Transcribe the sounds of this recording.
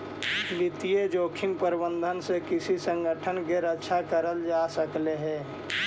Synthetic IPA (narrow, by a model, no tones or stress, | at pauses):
lɪt̪ijed͡ʒoːkʰɪmpəɾbə̃nd̪ʱənsekɪsisə̃ŋɡəʈʰənkeɾətːʃʰakəɾəld͡ʒaːsəkleɦɛ̃ː